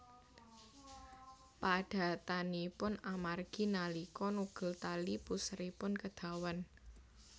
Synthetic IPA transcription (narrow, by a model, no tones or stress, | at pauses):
paɖ̥a̤t̪anipʊnamarɡ̥i̤nalikɔnuɡ̥ə̤lt̪alipusɾipʊnkəd̪̥a̤wan